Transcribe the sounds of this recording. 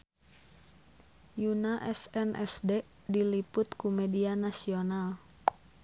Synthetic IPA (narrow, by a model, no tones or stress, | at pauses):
junaʔɛsɛnʔɛsdɛ | dilipʊt̪kumɛdianasional